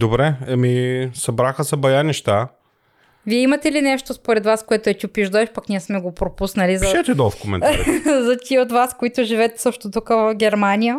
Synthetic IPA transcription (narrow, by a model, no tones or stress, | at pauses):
d̪obɾɛɐmisɐbɾaxəsɐbɐjanɛʃt̪a | viɛimɐt̪ɛlinɛʃt̪ospoɾɛd̪vaskoɛt̪oɛt̪ʲiopiʒd̪oɛʃpɐknʲiɛsmɛɡopɾopusnɐlizɐʃɛt̪ɛd̪ɔfkomɛ̰naɾzɐt̪ʲiot̪vaskoit̪oʒivɛt̪sɤʃt̪ot̪ukəvɐfɡʲɛɾmanʲijə